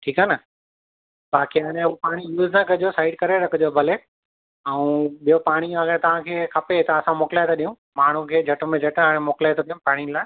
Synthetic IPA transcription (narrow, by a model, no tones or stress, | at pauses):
ʈʰiːkaːnə | baːkiɐnẽupaːɽ̃ijuːznakɐd͡ʑosaːɪɖkɐɾeɾɐkʰʊd͡ʑobʱɐle | ɛũɓijopaːɽ̃iɐɡəɽ̃t̪ɐʋ̤ãkʰeːkʰɐpet̪ɐɐsãmoːkɪlaːɪt̪ʰoɗijũ | maːɳ̤ũkʰeːd͡ʑʱɐʈmẽd͡ʑʱɐʈaːɽ̃ẽmoːkɪlaet̪ʰoɗijũpaːɽ̃ilaːɪ